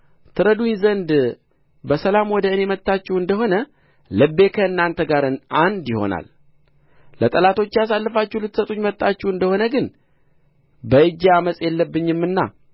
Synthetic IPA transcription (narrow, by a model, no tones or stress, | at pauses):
t̪ʰɨɾəd̪ujnzənd̪ | bəsəlamwɔd̪əɨne̞mət̪ʼːat͡ʃːɛwɨnd̪əɦo̞nə | lɨbːe̞kʰəɨnːant̪ʰəɡaɾɨnʔand̪jɪho̞̰na̰l | lət̪ʼəlat̪ʰo̞t͡ʃːɪjas̬alːɨfat͡ʃːɛhlɨt̪ːsət̪ʼuɲmət̪ʼːat͡ʃːɛɨnd̪əho̞nəɡɨn | bəɨd͡ʒaməsʼjɛlːəbːɨɲːɪmːɨnːa̰